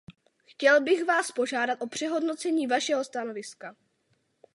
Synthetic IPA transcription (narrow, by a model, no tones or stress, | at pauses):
xcɛlbɪɣvaːspo̞ʒaːdat̪ʔo̞pr̝̥ɛɦo̞dno̞t͡sɛɲiːvaʃɛɦo̞st̪ano̞vɪska